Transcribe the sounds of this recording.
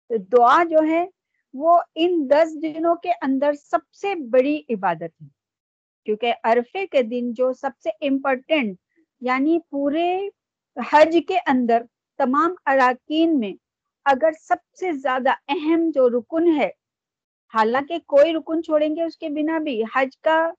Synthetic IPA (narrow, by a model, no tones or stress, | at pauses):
d̪ʊad͡ʒoːɦɛ | ʋoɪnd̪ɐs̬d̪ɪnõkeʔɐ̃nd̪əɾsɐb̚sebɐɽiʔɪbaːd̪ət̪ɦɛː | kjõːkeʔɐɾfeked̪ɪnd͡ʒoːsɐb̚seʔɪ̃mpɔːɾʈə̃ɳʈ | jaːnipuːɾe | hɐd͡ʒkeʔɐ̃nd̪əɾ | t̪ɐmaːmɐɾaːkiːnmẽ | ɐɡəɾsɐb̚sezjaːd̪aɛɦɛmd͡ʒoːɾʊkʊnɦɛː | haːlãːkekoːiɾʊkʊnt͡ʃʰoːɽẽːŋɡeʊskebɪnabʱihɐd͡ʒka